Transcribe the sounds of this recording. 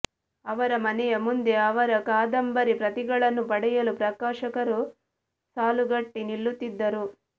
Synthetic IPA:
ɐʋɐɾɐmɐnɛjɐmund̪e̞ɐʋɐɾɐkaːd̪ɐmbɐɾipɾɐt̪iɡɐɭɐnːupɐɽɛjɐlupɾɐkaːʃɐkɐɾu | saːluɡɐʈːiniɭːut̪ːid̪ːɐɾu

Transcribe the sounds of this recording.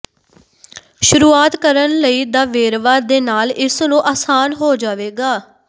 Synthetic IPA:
ʃʊɾuːaːt̪kəɾənləiːd̪aːʋeːɾʋaːd̪eːnaːlɪsnũːʔaːsaːnɦoːd͡ʒaːʋeːɡaː

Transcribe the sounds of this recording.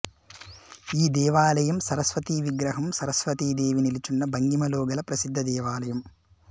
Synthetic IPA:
iːd̪ɛːʋaːlɐjɐmsɐɾɐsʋɐt̪iːʋiɡɾɐɦɐmsɐɾɐsʋɐt̪iːd̪eːʋinilit͡ʃunːɐbɐŋɡimɐlɔːɡɐlɐpɾɐsid̪ʱːɐd̪ɛːʋaːlɐjɐm

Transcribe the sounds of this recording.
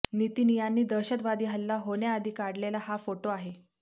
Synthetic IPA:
nit̪iːnijanːiːd̪əɕət̪ʋad̪iːɦəlːaɦoɳjaːd̪ʱiːkaɽlelahafoʈoaɦe

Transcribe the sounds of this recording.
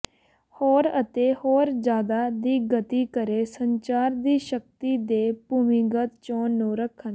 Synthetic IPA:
hoːɾət̪eːhoːɾd͡ʒjaːd̪aːd̪iːɡət̪iːkəɾeːsəɲt͡ʃaːɾd̪iːʃək̚t̪iːd̪eːpuːmĩːɡət̪t͡ʃõːnũːɾəkʰːən

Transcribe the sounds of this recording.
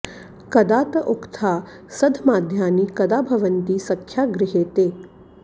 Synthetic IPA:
kɐd̪aːt̪əʔokt̪ʰaː | sɐd̪ʱmaːd̪ʱjaːniːkɐd̪aːbʱɐʋənt̪iːsɐkʰːjaːɡɾɪɦeːt̪eː

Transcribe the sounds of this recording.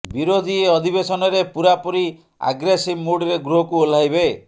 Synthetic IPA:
biɾod̪ʱieɔd̪ʱibesɔnɔɾepuɾapɔɾi | a̰ɡɾesibmuɖɾeɡɾuɦɔkuol̤ajbe

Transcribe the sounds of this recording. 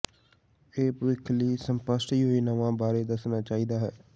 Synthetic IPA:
eːpəʋɪkʰliːsəmpəsʈiːɦoːiːnəʋãːbaːɾeːd̪əsnaːt͡ʃaːiːd̪aːɦɛː

